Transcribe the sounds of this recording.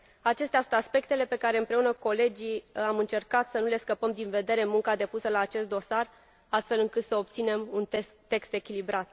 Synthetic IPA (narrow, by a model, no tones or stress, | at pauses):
at͡ʃe̞st̪ʲasunt̪aspe̞k̚t̪e̞le̞pe̞kaɾe̞ɨmpɾe̞unəko̞le̞d͡ʒiamɨnt͡ʃe̞rkat̪sənule̞skəpəmd̪inve̞d̪e̞ɾe̞muŋkad̪e̞pusəlaːt͡ʃe̞st̪̚d̪o̞sar | ast̪fe̞lɨŋkɨt̪səo̞p̚t̪sine̞munt̪eːe̞kst̪e̞kʲilibɾat̪